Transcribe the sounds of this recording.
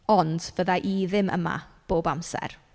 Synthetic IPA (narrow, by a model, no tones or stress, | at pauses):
ɔnd̥vəðaʔiðɪmə̰ma̰b̥oːbamsɛ̰r